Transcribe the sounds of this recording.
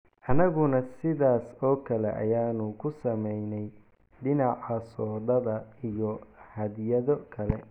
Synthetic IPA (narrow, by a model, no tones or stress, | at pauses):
ʔɐnɐɣʊnɐsɪðaːsɔːkʰɐlɛ̰ʔɐ̰jaːnʊkʰʊsɐmɛjnɛj | ɖɪnɑʕɑsɔːðɐðɐijɔhɐd̪jɐðɔkʰɐlɛ